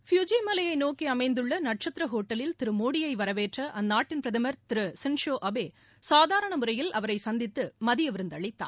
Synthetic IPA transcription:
fjud͡ʒimɐlɐjɐɪnoːkiɐmɐɪnd̪ɯɭːɐnɐʈ̚t͡ʃɐt̪ɾɐɦoːʈːɐlɪlt̪ɪɾɯmoːɽɪjɐɪʋɐɾɐʋeːʈrɐʔɐnːaːʈːɪnpɾɐðɐmɐɾt̪ɪɾɯsɪnʂoːʔɐbeː | saːðaːɾɐɳɐmɯɾɐjɪlɐʋɐɾɐɪsɐnd̪ɪt̪ːɯmɐðɪjɐʋɪɾɯnd̪ɐɭɪt̪ːa̰ː

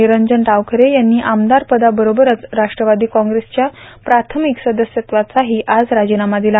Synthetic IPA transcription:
iɾəɲd͡zəɳʈaʋkʰəɾejanːiːʔamd̪aɾpəd̪abəɾobəɾət͡sɾaʂʈɾəʋad̪iːkɔ̃ŋɡɾest͡ɕjapɾat̪ʰəmiksəd̪əsjət̪ʋat͡saɦiːʔad͡zɾad͡ʑinamad̪ila

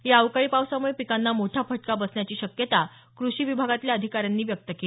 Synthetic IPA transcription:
ɦeaʋkaɭiːpaʋsəmuɭepikanːamoʈʰjapʰəʈkabəsɳjat͡ɕiːɕəkjət̪a | kɾuɕiːʋibʱaɡat̪ljaəd̪ʱikaɾjanːiːʋjək̚t̪əkel

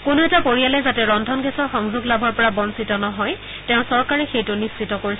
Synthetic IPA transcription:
kʊnʊɛtapoɹijalɛzatɛɹɔndʱɔnɡɛsɔɹxɔŋzuɡlabʱɔɹpɔɹabɔnsitɔnɔɦɔj | tɛʊ̃sɔɹkaɹɛxejtʊnisːitɔkoɹis

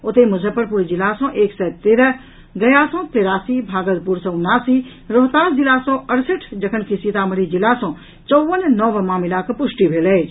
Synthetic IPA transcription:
ʊt̪emʊzʱəpəɾpuɾd͡ʒilasɔ̃ʔeːksɛt̪eːɾəɦ | ɡəjaːsɔ̃ːt̪eɾaːsibʱaːɡəd̪puɾsɔ̃ʊnːaːsiː | ɾɔɦt̪aːd͡ʒilasɔ̃əɽsəʈʰd͡ʒəkʰənkisit̪aːməɾid͡ʒilasɔ̃ | t͡ʃɔʋənnɔʋmaːmilakpʊʃʈibʱeːlɛːt͡ʃʰ

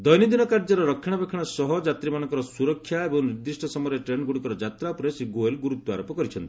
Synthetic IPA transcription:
d̪ɔjnid̪inɔkaɾd͡ʒɔɾɔɾɔkʰːjɔɽ̃ɔbekʰɔɽ̃ɔsɔɦɔd͡ʒat̪ɾimanɔŋkɔɾɔsuɾɔkʰːjaebɔŋniɾd̪isʈʰɔsɔmɔɾeʈɾeɳɡuɽikɔɾɔd͡ʒat̪ɾapɾesiɡoelɡuɾut̪ːɔaɾɔpɔkɔɾit͡ʃʰɔnt̪i̥

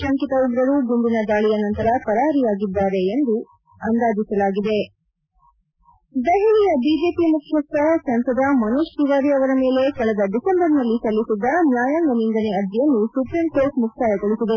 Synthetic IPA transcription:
ɐŋkit̪ɐuɡɾɐɾuɡund̪inɐd̪aːɭijɐnɐnt̪ɐɾɐpɐɾaːɦɐɾijaːɡid̪ːaːɾe̞ːnd̪u | ɐnd̪aːd͡ʒ̪isɐlaːɡid̪e̞ | d̪eɦiɭijɐbiːd͡ʒeːpimukʰjɐk̚t̪ɐsɐnsɐd̪ɐmɐnuʂkiɡaːɾiɐʋɐɾɐme̞ːle̞kɐɭɐd̪ɐd̪isembɐɾnɐlːisɐlːisid̪ːɐnjaːjaːŋɡɐnind̪ɐneɐd̪ʱjɐnːusupɾimkoːɾʈmuktaːjɐɡoɭisid̪e̞

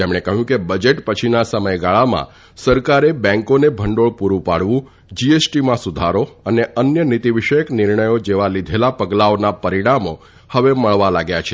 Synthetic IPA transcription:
t̪emɽ̃ekəɦjũkebəd͡ʒeʈpət͡ʃʰinasəməjɡaɭamã̰ | səɾkaɾebɛ̃ŋkonebʱəɳɖoɭpuɾũpaɽʋũ | d͡ʒiesʈimãsud̪ʱaɾoəneʔənjənit̪iʋiʃəjəknɪɾɳəjod͡ʒeʋalid̪ʱelapəɡlaonapəɾiɽ̃amo | həʋeməɭʋalaɡjat͡ʃʰe

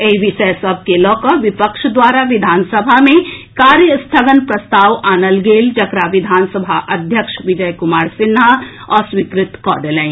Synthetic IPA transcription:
eʋiʃejsɐb̚ʱkelɔːkɔʋɪpəkʃd̪waːɾaʋɪd̪ʱaːnsəbʱamẽkaːɾjəst̪ʰəɡənpɾɐst̪aːʋaːnəlɡeːld͡ʒɐkɾaʋɪd̪ʱaːnsəbʱaʔɐd̪ʱjəkʃʋɪd͡ʒəjkʊmaːɾsɪnːaɔːɾsʋikɾɪt̪kɔ̰ːd̪elɛ̃

